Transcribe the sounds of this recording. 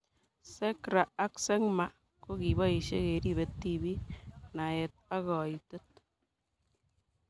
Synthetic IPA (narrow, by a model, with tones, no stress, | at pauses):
se˦kɾaː˨˦kse˦ŋma˨ | ko˦ki˨ba˦i˨ʃḛ˦ke˨ɾi˦be˨tːi˦bi˦na˨je˨t̚a˦ɣɔ˨i˨to˦t̚